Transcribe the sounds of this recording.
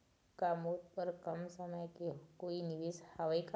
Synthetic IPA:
kamot̪pəɾkəmsəməjkekoiniʋishaʋaik

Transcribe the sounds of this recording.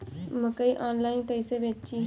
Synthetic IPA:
mɐkəiʔaːnlaːɪnt̪ɐɪsebeːʈt͡ʃi

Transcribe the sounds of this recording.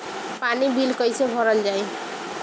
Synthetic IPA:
panibilkʌjsebʱʌɾʌld͡ʒaj

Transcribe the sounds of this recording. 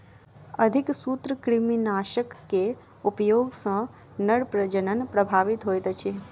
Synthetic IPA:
əd̪ʱiksut̪ɾəkɾiminaʃəkːe | upjoɡsə̃ | nəɽpɾəd͡ʒənənpɾəbʱaʋit̪ɦojt̪ət͡ʃʰe

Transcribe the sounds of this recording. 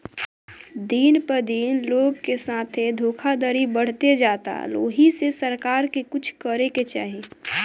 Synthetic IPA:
d̪iːnpəɾd̪iːnloːɡkesaːt̪ʰed̪ʱoːkʰad̪əɾibəɽ̤t̪ed͡ʒaːt̪a̰lo̰ːɦisesəɾkaːɾkekʊt͡ʃʰkəɾeket͡ʃa̰ːɦeː

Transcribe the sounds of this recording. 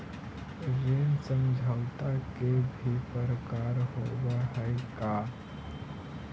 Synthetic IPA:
ɾensə̃md͡ʒʱawt̪akebʱipəɾkaːɾɦowaɦɛeka

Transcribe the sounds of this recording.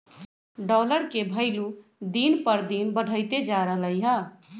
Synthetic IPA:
ɖɔːləɾkebʱəɪlud̪iːnpəɾd̪iːnbəɖʱəɪt̪ed͡ʒaːɾəɦləiɦə̃ː

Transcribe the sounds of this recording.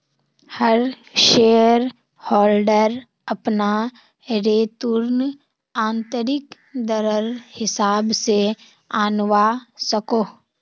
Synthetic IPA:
həɾ | ʃeːəɾ | hɔːlɖəɾ | ɐpna | ɾeːt̪ʊɾn | ãːnt̪əɾɪk | d̪əɾəɾhɪsaːbse | aːnʋasɐkoː

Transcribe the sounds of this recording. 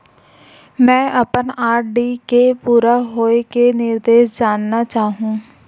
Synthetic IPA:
mɛ̃ːʔɐpənaːɾɖikepuːɾaɦoːekenɪɾd̪eːʃd͡ʒaːnːat͡ʃaːɦũː

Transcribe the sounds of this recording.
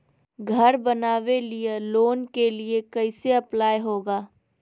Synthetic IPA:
ɡʱɐɾbɐnaːwelieloːnkeliekɐɪseɐplaːjɦoːɡaː

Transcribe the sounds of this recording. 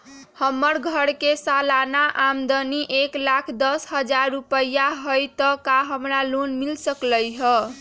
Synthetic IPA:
həmːəɾɡʱəɽkesalanaʔamd̪əniʔeklakʰd̪əsɦəd͡ʒaɾːupəjaɦojt̪əkaɦəmɾalonmilsəkləjɦə

